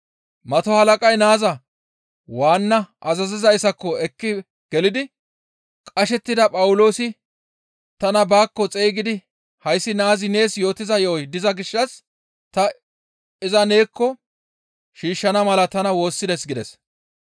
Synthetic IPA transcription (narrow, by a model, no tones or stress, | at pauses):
mɐt̪ɔhɐlɐkʼɐjnaːzɐ | waːnːɐʔɐzɐzɪzɐjsɐkːɔɛkːɪ | ɡ̥ɛlɪd̪ɪ | kʼɐʃɛt̪ːɪd̪ɐpʼɐwʊlo̞ːsɪ | t̪ɐnɐbaːkːɔt͡sʼeːɡɪd̪ɪ | hɐjsːɪnaːzɪne̞ːsjo̞ːt̪ːɪzɐjo̞ːd̪ɪzɐɡɪʃːɐs | t̪ɐ | ɪzɐne̞ːkːɔ | ʃiːʃːɐnɐmɐlɐt̪ɐnɐwo̞ːsːɪd̪ɛsɡɪd̪ɛs